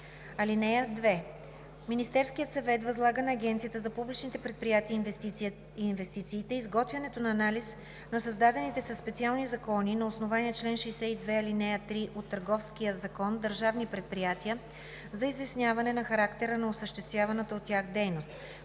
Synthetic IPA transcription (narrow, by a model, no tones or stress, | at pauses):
ɐlinɛjəd̪vɛ | minist̪ɛɾskijət̪sɐvɛt̪vɐzlˠaɡənɐːɡʲɛnt̪sijət̪əzɐpublit͡ʃnit̪ɛpɾɛt̪̚pɾijat̪iə | invɛst̪it̪siːt̪ɛizɡɔt̪vʲjɐnɛt̪onɐːnalis | nɐsɐzd̪ad̪ɛnit̪ɛsɐsːpɛt̪sialˠnizɐkɔninɐosnovaniɛt͡ʃlɛnʃɛjsɛid̪vɛɐlinɛjət̪ɾiʔot̪ːɐɾɡɔfskijəzɐkɔnd̪əɾʒavnipɾɛt̪̚pɾijat̪iə | zɐizvɛsnʲjavɐnɛnɐxɐɾakt̪ɛɾənɐosəʃt̪ɛst̪vʲjavɐnət̪əot̪ːʲjaxd̪ɛjnost̪